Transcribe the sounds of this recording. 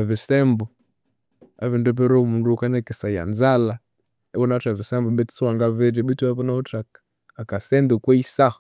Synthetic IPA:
avisɛmbɔ | aβindɔp̬ɛɾɔumundukanɛkisaja̰nzala | ɛβɔnatavisɛmbɔɓɛt͡suaŋɡavɛd͡ʒɛɓituaβɔnautak | akasɛndukwɛisah

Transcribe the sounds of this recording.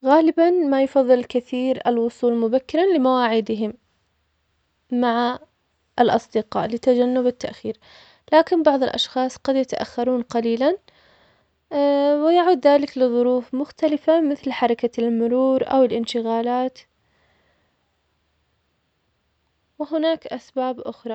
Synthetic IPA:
ɣaːlɪbanmajʊfɑðˤːɨlkɪθiːɾalwʊsˤuːlmʊbakːɪɾˤɑlɪmawaːʕɪd̪ɪɦɪm | aʕa | ʔalʔɑsˤd̪ɪqɑ̰ːʔlɪt̪ad͡ʒanːʊbɪt̪ːaʔxiːɾ | laːkɪnbɑʕðˤɪlʔɑ̰ʃxɑːsˤqɑd̪jat̪aʔa̰xːɑɾˤuːnqɑliːlan | wɪjaʕuːd̪ðaːlɪklɪðˤʊɾuːfmʊxt̪alɪfamɪθlħɑɾˤɑkalmʊɾuːɾʔa̰wɪlʔɪnʃɪɣaːlaːt̪ | wɪɦʊnaːkʔasbaːbʔʊxɾˤɑ

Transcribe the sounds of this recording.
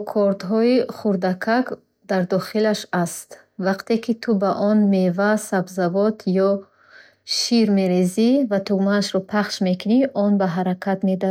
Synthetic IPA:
kʰɔɾt̪ɦɔiχuɾd̪akʰak | d̪aɾd̪ɔχilaʃast̪ | vaqt̪e̞kit̪ʰubaʔɔnmevasabzavɔt̪ʰjɔ | ʃiɾme̞ɾezivat̪uɡmaːʃɾɔpʰaχʃme̞kʰuniʔɔnbaɦaɾakʰat̪med̪a

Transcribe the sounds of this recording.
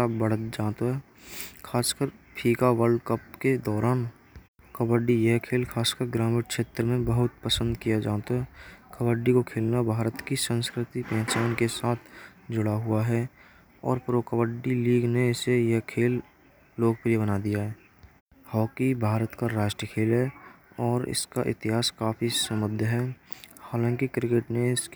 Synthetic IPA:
abəɽ̤ət̪d͡ʒaːt̪oɦɛː | kʰaːskəɾpʰiːkawəlɖkəpked̪ɔːɾaːn | kəbəɖijeɦkʰeːlkʰaːskəɾɡɾaːmɪɾkʃeːt̪ɾəmẽbəɦʊt̪̚pəsə̃nd̪kijad͡ʒaːt̪oɦɛːkəwəɖikokʰeːlnabʱaːɾət̪kisə̃nskɾɪt̪ipɛ̃ːt͡ʃaːnkesaːt̪ʰd͡ʒʊɽaɦʊaɦɛ | ɔ̰ːɾpɾoːkəʋəɖiliːɡneɪsejeɦkʰeːlː | oːk̚pɾijebənad̪ijaɦɛː | hɔːkibʱaːɾət̪kaɾaːʃʈɾəkʰeːlɦɛɔːɾɪ̰skaʔɪ̰t̪ɪɦaːskaːfisəmʊd̪ʱjɦɛːhaːlãːŋkikɾɪkeːʈneɪsk

